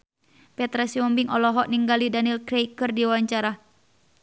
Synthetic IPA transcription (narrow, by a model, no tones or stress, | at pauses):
pɛt̪ɾasiɔmbiŋʔɔlɔɦɔʔniŋɡalidanilkɾeikɨrdiwawaɲt͡ʃaɾa